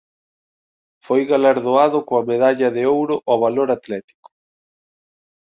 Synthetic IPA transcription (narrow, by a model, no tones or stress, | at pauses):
fojɣalaɾðoaðʊkoɐmeðaʎɐðɪowɾʊʔɔβaloɾat̪lɛt̪i̥kʊ̥